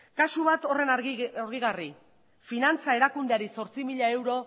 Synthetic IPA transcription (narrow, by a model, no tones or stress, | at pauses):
kasuβ̞at̪o̞re̞naoɾɣiɣari | finant͡sae̞ɾakund̪eaɾiso̞ɾt͡simiʎae̞wɾo̞